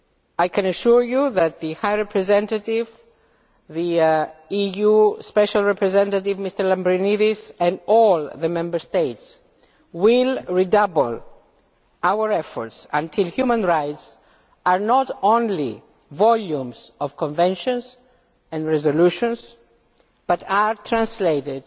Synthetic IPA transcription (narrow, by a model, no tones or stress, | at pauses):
ajkʰɛ̃naʃuɹjuðæt̪̚ðihajɹɛpʰɹɛzɛ̃ntativ | ðiijuspɛʃalˠɹɛpɹɛzɛ̃ntativmist̪əɹlãmbɹiniðisɛ̃nɔlðəmɛ̃mbə˞st̪eɪts | wilɹidʌbl̩ | awəɹɛfɔɹtsãntʰilhjumə̃nɹajts | aɹnɔtõnli | vɔljũmsɔv̥kɔ̃ɱvɛ̃nʃɔ̃ns | ɛ̃nɹɛzoluʃɔ̃ns | b̥ataɹt̪ʰɹãnsleɪɾɪd